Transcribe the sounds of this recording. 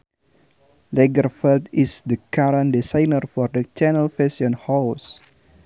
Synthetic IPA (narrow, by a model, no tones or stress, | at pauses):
lɛɡərfɛltisdəkaɾãndisãjnərfɔrdət͡ʃɛnəlfɛsiɔ̃nhaws